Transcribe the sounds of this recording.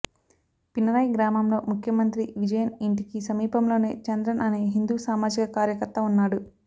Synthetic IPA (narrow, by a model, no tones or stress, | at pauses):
pinɐɾɐjɡɾaːmɐmlo̞ːmukʰjɐmɐnt̪ɾiʋid͡ʒɐjɐniɳʈikisɐmiːpɐmlo̞ːne̞̰ːt͡ʃɐnd̪ɾɐnʔɐne̞ːɦind̪uːsaːmaːd͡ʒikɐkaːɾjɐkɐɾt̪ɐunːaːɽu